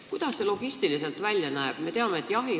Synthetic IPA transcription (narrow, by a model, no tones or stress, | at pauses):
kujd̪̥ɑsːe̞lo̞ɡ̥ist̪ilise̞lt̪vælʲjɑnæeb̥me̞t̪e̞ɑmeet̪ːˑjɑɦi